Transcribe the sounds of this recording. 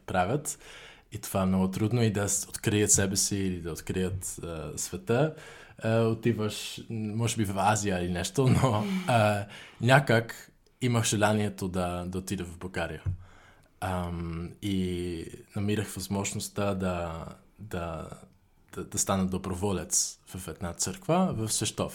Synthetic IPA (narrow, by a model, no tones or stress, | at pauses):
pɾavʲjət̪ | it̪o̥vaɛmnɔɡʊt̪ɾud̪noid̪ɐsot̪kɾijət̪sɛbɛsiːlid̪ɐot̪kɾijət̪əsvɛt̪ə | ot̪ivəʃmɔʒɛbivɐfazijəilinɛʃt̪ono | nʲakək | iməxʒ̥ɛlˠaniɛt̪od̪ɐd̪ɐot̪id̪ɛvɐvbɐlˠɡaɾijə | əmi | nɐmiɾəxvozmɔʒnost̪əd̪ɐ | d̪ɐ | d̪̥d̪ɐst̪anəd̪obɾovɔlɛt̪svɐfɛd̪nat̪səɾkvəvɐfsvɛʃt̪ɔf